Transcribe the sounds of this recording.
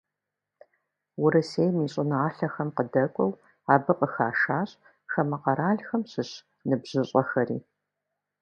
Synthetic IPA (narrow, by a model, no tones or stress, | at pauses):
wʊɾɨseːjmiːɕʼɪnɨaːɬɐxɐmqədɐkʷʼɔw | aːbɨqəxaːʃaːɕʼ | xɐmɨqɐɾaːɮxɐmɕɨɕ | nɨbʑ̥ɨɕʼɐxɐrḭː